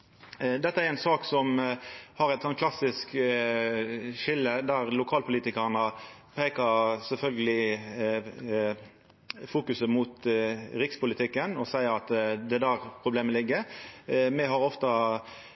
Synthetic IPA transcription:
d̪ɛt̪ːəæɾɛnsɑːksɔmhɑɾæɛt̪sɔnkʰlɑsɪsk | ʃɪlːəd̪æʁlʊkʰɑːlpʊliːt̪ɪkəʁnəpʰeːkəsɛlfœlɡəlɪ | fuːkʉsəmʊt̪ɾɪkspʊlɪt̪ʰɪkːənɔsæɪəɾɑt̪d̪ɛd̪æːʁpʰʁʊbleːməlɪɡːə | mɛɦɑɾɔft̪ɑ

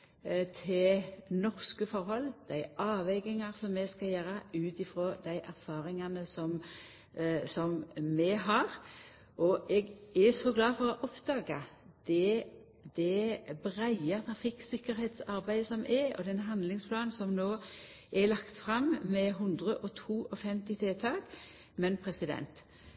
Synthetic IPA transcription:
t̪ʰɪlnɔʁskəfɔɾhɔlːd̪̥æɪʔɑːʋɛɡɪŋɑʁsɔmːɛskɑljøːɾɑʉːt̪ɪfɾoːd̪æɪʔæɾfɑːɾɪŋɑnəsɔm | sɔmmɛɦɑɾ | ʔɔʔɛɡæsɔɡlɑːfɔɾɔʔɔpd̪ɑːɡɑ | d̪̥ɛ | d̪ɛbʁæɪət̪ʰɑɾfɪkːsɪkːəɾhɛːt̪sɑɾbæɪsɔmʔɛɔ̰d̪ɛnɦɑnd̪lɪŋspʰlɑːnsɔmnoː | ʔɛlɑkt̪fʁɑmmɛɦʉnd̪ʁəʔɔt̪ʰuːʔɔfɛmt̪ɪt̪ʰeːt̪ʰɑːɡ | mɛnpʰɾɛsɪd̪ɛ̰nt̪

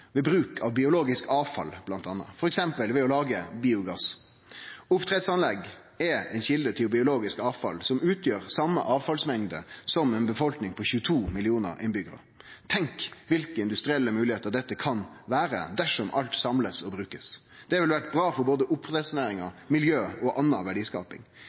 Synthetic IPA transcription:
ʋɛbɾʉːkʰɑʋbɪʊloːɡɪskɑːʋfɑ̰lb̥lɑnt̪ɑnːə̰fɔɾɛksɛmpəlʋɛɔlɑːɡəbiːʊɡɑs | ʊpt̪ʰɾɛd̪sɑnlɛɡ | ɛɛ̰nçɪld̪ət̪ʰɪlbɪʊloːɡɪskɑːʋfɑ̰lsɔmʉːt̪ʰjøːɾsɑmə̰ʔɑːʋfɑlsmɛŋd̪ə̰sɔmɛnbəfɔlknɪŋpʰɔçʉːət̪ʰuːmɪlɪuːnə̰ɾʔɪ̰nbʏɡəɾə̰ | t̪ʰɛŋkʋɪlkəɪnd̪ʉst̪ɾɪɛlːəmʉːlɪheːt̪əɾd̪ɛt̪ːəkʰɑnʋæːɾə̰d̪æʂɔmʔɑlt̪sɑmləsɔbɾʉːkəs | d̪̥ɛʋɪlʋæʈbɾɑːfɔɾboːd̪əʔʊpːɛsʊneːɾɪŋɑmɪljøːɔʔɑnːɑʋæɖiːskɑ̰ːpɪ̰ŋ

